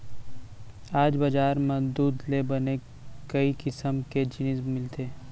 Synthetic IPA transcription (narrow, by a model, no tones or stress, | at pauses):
aːd͡ʒbɐd͡ʒaːɾmẽd̪uːd̪lebɐne | kɐikɪsəmked͡ʒɪnizmɪlt̪ʰeː